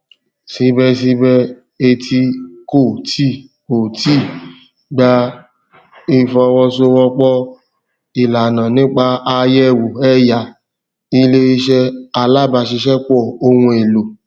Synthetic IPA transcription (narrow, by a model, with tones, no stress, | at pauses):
si˧˦bɛ˧s̬i˧bɛ˧ | e˧tʰi˧ko˦˨tʰi˦˨ko˨ti˦˨ | ɡ͡ba˧ | i˧fɔ˧wɔ˧so˧wɔ˧k͡pɔ˦ | i˨la˨nã˨nĩ˨˦k͡pa˧a˧jɛ˦˨wo˨ɛ˦ja˧˨ | i˧le˧i˧ʃɛ˧a˨˧la˦˨ba˧ʃi˧ʃɛ˦k͡pɔ˦˨o˧wũ˧e˨lo˨